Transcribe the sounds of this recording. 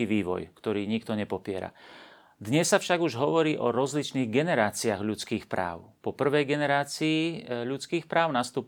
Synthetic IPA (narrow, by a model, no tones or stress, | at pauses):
iʋiːʋɔ̰jkt̪ɔɾiːɲikt̪ɔɲɛpɔpɪɛ̰ɾa̰ | d̪ɲɛsːafʃaɡuʒɦɔʋɔɾiːʔɔɾɔzlit͡ʃniːɣɡɛnɛɾaːt͡siaɣʎut͡skiːxpɾa̰ːʊpɔpr̩ʋɛjɡɛnɛɾaːt͡siːʎut͡skiːxpɾaːʊnast̪uːp